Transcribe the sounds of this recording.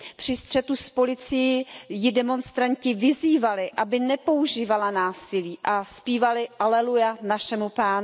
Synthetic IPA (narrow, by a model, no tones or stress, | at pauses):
pr̝̥ɪst̪r̝̥ɛt̪uspo̞lɪt͡sɪjɪjɪdɛmo̞nst̪ɾaɲcɪvɪziːvalɪʔabɪnɛpo̞uʒiːvalanaːsɪliːʔaspiːvalɪʔalɛlujanaʃɛmupaːnʊ